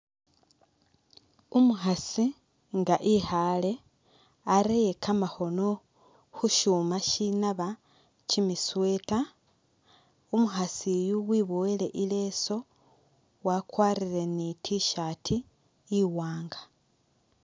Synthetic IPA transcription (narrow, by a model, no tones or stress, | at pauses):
umuxasi | ŋɡaʔihale̞ | aɾejekʰamaxo̞no̞ | xuʃuːmaʃinaβa | t͡ʃimiswe̞ta | umuxasijuwiβowele̞ʔileːso̞ | wakwaːɾiɾe̞nitʰiʃatʰiː | waːŋɡḁ